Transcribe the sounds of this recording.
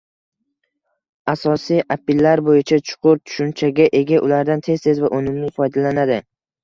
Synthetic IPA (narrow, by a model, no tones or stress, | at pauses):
asɒsijʔapɪlːaɾbojɪt͡ʃʰat͡ʃʰʊ̥qʰʊɾt̪ʰʊ̥ʃʊnt͡ʃʰaɡʲaʔe̞ɡʲaʔʊlaɾd̪ant̪ʰe̞zt̪ʰe̞zvaʔonɪmlɪfɒjd̪alanad̪ɪ